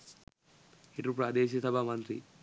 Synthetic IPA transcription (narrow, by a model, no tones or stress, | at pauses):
iʈɾupɾaːd̪eːʃ̬isɐbʱamɐnt̪ɾḭ